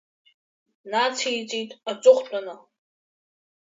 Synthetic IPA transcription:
nat͡sʰijt͡sʼijtʼat͡sʷʼʊχʷt͡pʼanɨ

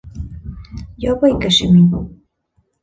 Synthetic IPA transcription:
japajkaʃɪmɪ

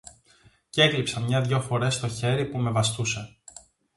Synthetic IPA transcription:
ceklipsɐmɲɐðʝo̞fo̞ɾe̞st̪o̞çe̞ɾipume̞vɐst̪use̞

